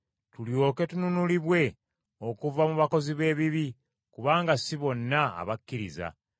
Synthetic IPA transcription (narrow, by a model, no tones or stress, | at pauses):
tuljo̞ːke̞tununuliβwe̞ | o̞kuvamuβako̞ziβe̞ːβiβi | kuβaːŋɡasiβo̞nːa̰ːβakːiɾḭza̰